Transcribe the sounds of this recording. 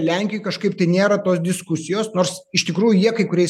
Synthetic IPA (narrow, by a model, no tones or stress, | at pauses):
lʲɛŋʲkʲɪjuːkɐʃkɐɪpt̪ɐɪnʲeːɾɐt̪oːs̬d̪ʲɪskʊsʲɪjoːsnoːɾsɪʃt̪ʲɪkɾuːjʊjiɛkɐɪkʊɾʲɛɪ